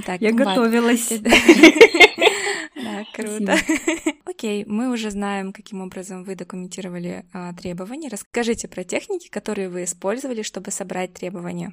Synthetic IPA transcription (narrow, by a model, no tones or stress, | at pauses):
t̪akjaɡɐt̪ovʲɪlˠəsʲd̪a | d̪akɾut̪ə | okʲejmɨʊʐɛznajɪmkɐkʲimo̞bɾəzəmvɨd̪əkʊmʲɪnʲtʲiɾəvəlʲɪ̰ət̪ɾʲe̞bəvənʲɪjəɾəskɐʐɨtʲɪpɾətʲe̞xnʲɪkʲɪ̥kɐt̪o̞ɾɨjʊvɨɪspo̞lʲzəvəlʲɪʂt̪o̞bɨsɐbɾʔat̚ʲt̪ɾʲe̞bəvənʲɪjə